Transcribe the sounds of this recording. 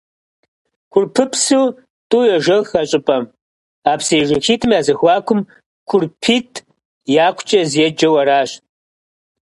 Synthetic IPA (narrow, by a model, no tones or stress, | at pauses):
kʷʰʊrpʰɨpʰsuw | tʼujɐʒɐxɐɕʼɪpʼɐm | aːpseːʒɪxiːtʰɨmjaːzɨxʷɑːkʷʰʊm | kʷʰʊrpʰiːtʼʰ | jaːkʷʰt͡ʃʼɐzjɛd͡ʒɐwɐɾaːɕ